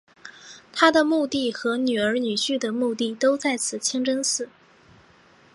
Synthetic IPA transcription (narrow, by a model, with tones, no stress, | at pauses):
t̪ʰa˥d̪ə˨mu˥˧t̪i˥˩xɤ˧˥ny˨˩ə˞˧˥ny˨˩ɕy˥˩d̪ə˩mu˥˧t̪i˥˩t̪o˥ʊt͡sa˥˩ɪt͡sʰɹ̩˨˩t͡ɕʰi˥ŋʈ͡ʂɤ˥ŋsɹ̩˥˩˦